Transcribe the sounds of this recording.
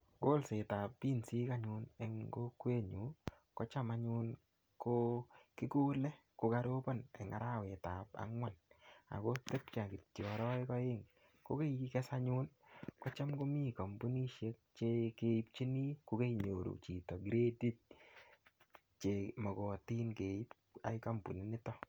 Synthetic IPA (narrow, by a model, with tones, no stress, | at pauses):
ko˦lse˨ta˨pːi˦nsi˦ka˦ɲʊ˦ne˨ŋɡo˦kwe˦ɲu˨ | kɔ˦t͡ʃa˦ma˦ɲʊ˦n | kokɪ˦ku˦lɛ˦ | ko˨ka˦ɾo˦pɔ˦nɛ̰˨ŋa̰˦ɾa˦we˨ta˨pa̰˦ŋwa˦na̰˨ko˦te˦p̚t͡ʃa˨kɪ˨tjɔ˨ɾɔ˦ɪ˦kɔ˦ɪ˦ŋ | ko˦ke˦jikɛ˦sa˦ɲu˦nkɔ˦t͡ʃa˦mɡo˦mi˦ka˨mbu˦ni˦ʃe˦k̚t͡ʃe˦ke˦i˦p̚t͡ʃi˦ni˦ko˨ke˦iɲo˨ɾṵ˨t͡ʃi˨tɔ˨ɡiɾe˦di˦t̚ | t͡ʃe˨mɔ˨kɔ˨ti˦nke˨i˦p̚ | a̰˨jka˦mbṵ˨ni˦nɪ˦tɔ˦